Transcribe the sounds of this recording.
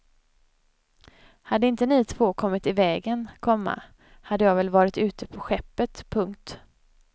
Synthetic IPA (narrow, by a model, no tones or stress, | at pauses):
had̪ːəɪnt̪ənɪt̪ʰvoːkʰɔmːɪt̪ɪvɛːɡənkʰɔmːa̰ | had̪ːəjɑːɡvɛlvɑːɾɪt̪ʉ̟ːt̪əpʰɔɧɛpːət̪pʰɵŋk̚t̪